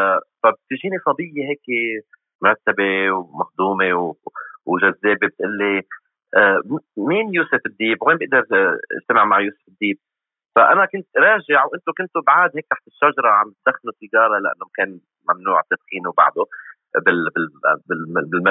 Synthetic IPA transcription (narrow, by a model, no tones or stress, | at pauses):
fab̚t̪ɪʒiːnisˤɑb̪ˤijːeɦeːk | mʊɾˤɑt̪ːabewmaxd̪uːmewwʒazːeːbebɪt̪ʔɪlːi | ʔːmiːnjuːsɪfɪd̪ːiːbweːnbɪʔd̪ɪɾˤɪ̰ʒt̪amaʕmaʕjuːsɪ̥fɪd̪ːiːb̚ | faʔanakʊnt̪ɾˤɑːʒɪʕwʔɪnt̪ʊkʊnt̪ʊbʕaːd̪heːk̚t̪aħt̪ɪʃːaʒɑɾˤɑʕambɪt̪̚d̪axːlusɪjɑːɾˤɑlaʔa̰nːʊmakeːn | mamnuːʕt̪ɪd̪xiːnwba̰ʕd̪ʊ | bɪlbɪbɪbɪlma